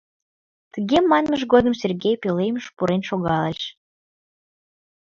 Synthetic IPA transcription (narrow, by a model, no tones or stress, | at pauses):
t̪əɣemɑnməʒɡod̪əmserɡʲejpʲelejməʃpuɾenʃoɣɑləʃ